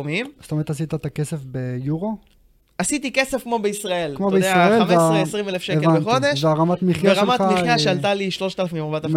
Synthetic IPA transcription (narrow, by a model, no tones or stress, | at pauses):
mimst̪omet̪as̬it̪at̪akesefbejuʁo | asit̪ike̞sefkmo̞beisʁae̞lkmobeiesaʁaelmeaesʁimelefʃeeveaneχod̪eʃveaʁamat̪miχjaʁamatamiχjaʃealt̪aliʃlo̞ʃt̪alefmimaʁbat̪a